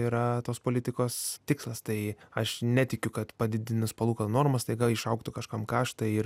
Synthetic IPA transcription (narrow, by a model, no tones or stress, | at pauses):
iːɾɐt̪oːspoːlʲɪt̪ʲɪkoːst̪ʲɪkslˠɐst̪ɐɪɐʃnʲæt̪ʲɪkʲʊkɐt̪pɐd̪ʲɪd̪ʲɪnʲʊspɐlˠuːkɐnoːrmɐst̪ɐɪɡɐlˠɪʃɐʊkt̪ʊkɐʃkɐmkɑːʃt̪ɐɪɪr